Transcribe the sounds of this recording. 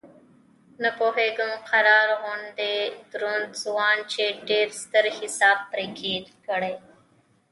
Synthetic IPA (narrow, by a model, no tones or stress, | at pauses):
nəpoːɦeːɡəmxʰəɾaːɾɦõːnd̪eːd̪ʊɾond̪zʊaːnt͡ʃʰeːɖeːɾst̪əɾhɪsaːb̚ːɾeːkʰeːt̪kəɽeː